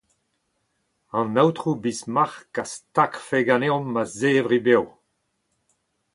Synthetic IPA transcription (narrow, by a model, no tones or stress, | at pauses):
ɑ̃nawt̪χubismaʁkastakfeɡaneɔ̃mːazeːvʁibew